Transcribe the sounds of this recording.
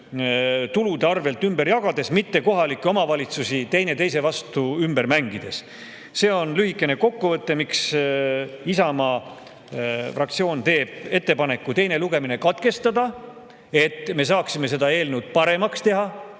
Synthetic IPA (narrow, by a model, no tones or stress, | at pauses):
t̪ulud̪eɑrve̞lt̪ːˑymbe̞ɾjɑɡ̥ɑd̪̥e̞smit̪ːe̞ko̞ɦɑlikːˑeo̞mɑvɑlʲit̪susit̪e̞jne̞t̪e̞jse̞vɑst̪uymbe̞ɾmæŋɡid̪̥e̞s | se̞ːo̞nlyɦikːˑe̞ne̞ko̞kːuvɤt̪ːe̞miks | isɑmɑ | frɑk̚t̪sio̞ːnt̪e̞ːb̥̚e̞t̪ːe̞pɑne̞kːˑut̪e̞jne̞luɡe̞mine̞kɑt̪ke̞st̪ɑd̪̥ɑ | e̞t̪ːme̞s̬ɑːksime̞s̬e̞d̪ɑe̞ːlnewd̪̥̚pɑɾe̞mɑkst̪e̞ɦɑ